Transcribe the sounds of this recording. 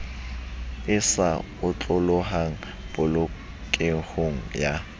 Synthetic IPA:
ɪsa | ʊt͡ɬʼʊlʊɦaŋ̩ | bʊlʊ | kʼeŋ̩hoŋ̩ja

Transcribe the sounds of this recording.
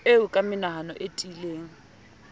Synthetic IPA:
eʊkʼamɪnaɦanɔʔetʼileːŋ̩

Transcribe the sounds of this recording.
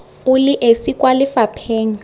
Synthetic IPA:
ʊlɪʔesikʼwalɪfapʰeːŋ̩

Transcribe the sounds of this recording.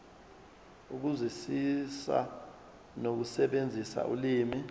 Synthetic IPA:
uk̬uzisisa̰ | nok̬usɛɓend͡zʱisa̰ʔuliːmi

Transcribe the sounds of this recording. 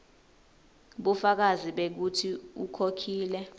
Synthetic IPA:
ɓufak̬aziɓek̬utʰiukʰokʰiːlɛ

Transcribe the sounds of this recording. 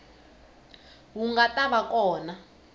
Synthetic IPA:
wuŋɡatʼaβak̬ʼɔːna

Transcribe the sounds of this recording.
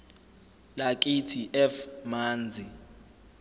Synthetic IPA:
lak̬ʼitʰiʔɛfmaːnd͡zʱi

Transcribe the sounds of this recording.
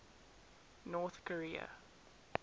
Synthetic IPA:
nɔːθkʰɔɹiːə̰

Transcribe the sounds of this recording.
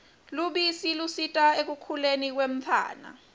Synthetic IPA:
luɓisilusitʼaek̬ukʰulenik̬wem̩t͡fʰa̰ːna̰

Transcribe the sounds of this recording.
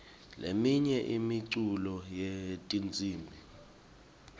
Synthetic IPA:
lemiɲɛʔimiǀulɔjetʼint͡sʼiːmbʱi

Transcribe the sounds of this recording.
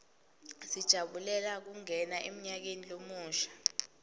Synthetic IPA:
sid̥ʒ̥ʱaɓulɛlak̬uŋɛnaʔem̩ɲak̬enilomuːʃḁ

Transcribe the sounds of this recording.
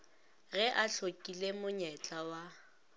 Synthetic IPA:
ɣɛʔaɬʰokʼilemʊɲɛt͡ɬʼawa

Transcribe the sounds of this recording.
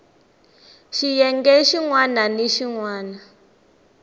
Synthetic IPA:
ʃijɛŋɡɛʃiŋwananeʃiŋwaːna

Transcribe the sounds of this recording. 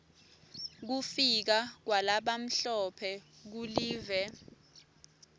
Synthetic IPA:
k̬ufik̬ak̬walaɓam̩ɬɔpʰɛk̬uliːvɛ

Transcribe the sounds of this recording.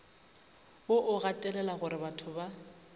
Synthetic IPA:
boʔʊɣatʼɛlɛlaɣʊɾɪbatʰʊba

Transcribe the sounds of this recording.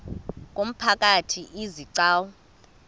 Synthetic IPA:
k̬ʼom̩pʰak̬ʼatʰiʔiziǀaːwɔ

